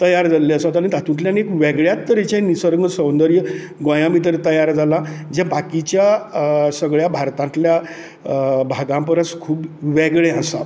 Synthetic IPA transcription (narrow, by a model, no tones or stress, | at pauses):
t̪əjaɾd͡zalːeəsat̪aɾit̪at̪ũʈljanekʋɛɡɭjat̪ːəɾet͡ɕaĩnisəɾɡɡəsə̃wnd̪əɾjə | ɡə̃jãmit̪̬əɾet̪əjaɾd͡zʱalad͡ʑãbakit͡ɕjasəɡɭjabʱaɾt̪ãnt̪lja | bʱaɡãmpəɾəskʰuːbʋɛɡɭeasa̰